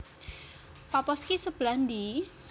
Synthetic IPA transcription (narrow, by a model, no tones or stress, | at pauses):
papɔskisəb̥land̪i